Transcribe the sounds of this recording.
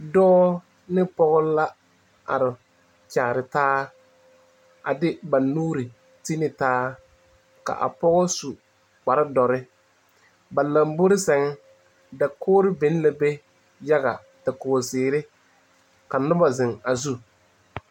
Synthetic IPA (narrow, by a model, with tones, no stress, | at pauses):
dɔː˦ | nɪ˦pɔ˦ɣʊ˦la˦ | a̰˨ɾɪ˨ | t͡ʃaː˨ɾɪ˨taː˦ | a̰˨dɪ˦ba˨nuː˦ɾɪ˨ | ti˦nɪ˨taː˦ | ka̰˨ʔa̰˨pɔ˦ɣɔ˦su˨ | k͡pa˨ɾɪ˦dɔ˨ɾɪ˦ | ba˨la˨mbo˦ɾɪ˦sɛ˨ŋɛ˦ | da˨kʰʊː˦ɾɪ˦bɪ˨˦n˦la˨be˦ | ja˦ɡa˨ | ta˨koː˨sɪː˨ɾɪ˦ | ka˨nʊ˦ba˨zɪ˨ŋa˨zu˦